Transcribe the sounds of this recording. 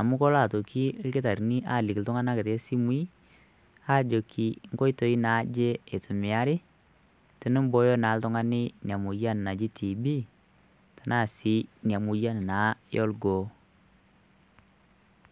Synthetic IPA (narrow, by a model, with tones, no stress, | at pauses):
a˨mʊ˦kɔ˦la˦˨to˨kʰi˦ke˦ta˨ɾni˦ʔa̰˦˨li˨kltʊ˦ŋa˦na˦kɪ˨ɾe˦si˦mwi˦ | a˦d͡ʒo˨kʰi˨ŋɡo˦jto˨˦i˦na˨˦d͡ʒe˦e˨tʊ˨mɪ˨a˦ɾɪ˦ | tɪ˨˦nɪ˦mbo˦jɔ˦na˨˦ltʊ˦ŋa˦nɪ˦nja˨mu˨ja˦n˨na˨d͡ʒi˦tʰi˨bi˦ | ta˨na˦˨si˦nja˨mu˨ja˦nɪ˨na˨˦jɔ˦lɡoː˨